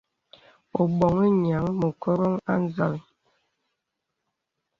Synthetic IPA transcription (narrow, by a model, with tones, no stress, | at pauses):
o˨bɔ˨ŋe˦ɲa˨˦ŋmo˨kɔ˦ɾɔ˦ŋa˦n̩˦za˨l